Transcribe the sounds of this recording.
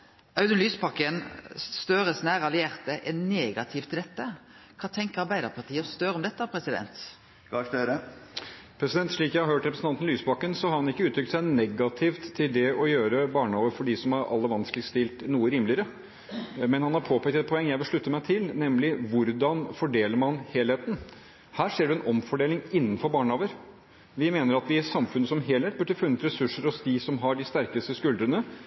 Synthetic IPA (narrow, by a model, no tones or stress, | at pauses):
ɑʉd̪ənlyːspɑkːənst̪øːɾəsnæːɾɑlɪæʁt̪əʔɛnneːɡɑt̪ʰɪːft̪ʰɪld̪ɛt̪ːə | kʰɑːt̪ʰɛŋkəɾɑɾbæɪd̪ɑpʰɑt̪ʰiːəst̪øːɾɔmd̪ɛt̪ːəpʰɾɛsɪd̪ɛ̰nt̪ | ɡɑsøːɾə | pʰɾɛsɪd̪ɛnt̪ʂɭiːkjæɪhɑɾhøːʈɾɛpɾsn̩ʰɑnn̩lyːspɑkːənsɔhɑɾhɑnɪkːəʉːt̪ʰːɾʏkt̪sæɪnɛɡɑt̪ʰɪft̪ʰːɪld̪ɛɔjøːɾəbɑːɳoːʋəɾfɔɖɪsɔmhɑɾʔɑ̰lːəʋɑnskəlɪst̪ɪlt̪nuːəɾiːmlɪəɾə | mɛnhɑnhɑɾpʰoːpʰækt̪ɛt̪̚pʰɔɛŋːjæɪʋɪlʂɭʉt̪ːəmæɪt̪ʰɪlnɛmlɪʋʊɾd̪ɑnfɔɖeːləɾmɑnheːlheːt̪n̩ | hæːʂeːɖʉɛnɔmfɔɖeːlɪŋɪnːənfɔɾbɑːɳəoːʋəɾ | ʋɪmeːnəɾɑt̪ʋɪsɑmfʉnːəsɔmɦeːlheːt̪̚bʉʈːəfʉnːət̪ɾɛsʉʂːəɾɔsd̪ɪsɔmɦɑɖɪst̪æɾkəst̪əskʉld̪ɾənə